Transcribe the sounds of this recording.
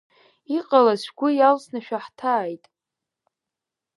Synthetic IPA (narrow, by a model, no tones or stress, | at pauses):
iqʼalasʷᶣɡʷʊjalsnaʃᶣaħtʰaːjtʼ